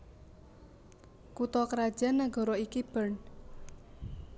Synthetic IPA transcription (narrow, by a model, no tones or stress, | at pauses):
kut̪ɔkəɾad̥ʒ̥a̤nːaɡɔ̤ɾɔikib̥ərn